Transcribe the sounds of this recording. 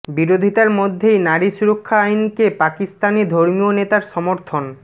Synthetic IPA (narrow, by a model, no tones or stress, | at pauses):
biɾod̪ʱit̪aɾmod̪ʱːejnaɾiʃuɾokʰːaajnkepakist̪anid̪ʱoɾmionet̪aɾʃɔmoɾt̪ʰon